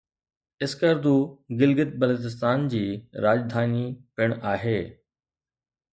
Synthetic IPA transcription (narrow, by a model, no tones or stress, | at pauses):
ɪskəɾd̪uːɡɪlɡɪt̪̚bɐloːt̪ɪs̬t̪aːnd͡ʑiːɾaːd͡ʑd̪ʱaːnipɪɽ̃aːɦeː